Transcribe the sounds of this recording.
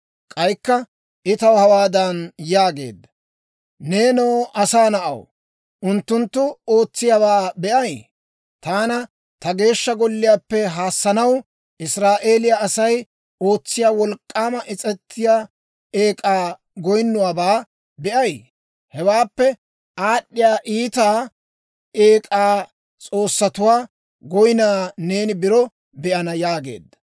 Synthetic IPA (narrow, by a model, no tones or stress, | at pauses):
kʼɐjkːɐ | ʔɪt̪ɐwhɐwaːd̪ɐnjaːɡe̞̰ːd̪ːɐ | ne̞ːnoːʔɐsaːnɐʔɐ̰w | ʔʊnt̪ːʊnt̪ːʊo̞ːt͡sːɪjaːβaːbɛʔɐj | t̪aːnɐ | t̪ɐɡe̞ːʃːɐɡɔlːɪjaːpːɛɦaːsːɐnɐw | ʔɪsɾaːʔe̞ːlɪjaːsɐj | o̞ːt͡sːɪjaːwɔlkʼːaːmɐʔɪt͡sʼɛt̪ʰːɪjaː | eːkʼaː | ɡɔjnːʊwaːbaː | bɛʔɐj | hɛwaːpːɛ | ʔaːɗːɪjaːʔiːt̪aː | eːkʼaː | t͡sʼo̞ːsːɐt̪ʊwaː | ɡɔjnaːne̞ːnɪbɪɾɔ | bɛʔɐnɐjaːɡe̞̰ːd̪ːɐ̥